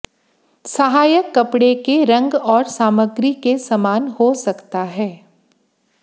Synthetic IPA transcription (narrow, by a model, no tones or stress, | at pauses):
sɐɦaːjəkːɐpɽekeɾɐ̃ŋɡɔːɾsaːməɡɾikesɐmaːnhosɐkt̪aɦɛː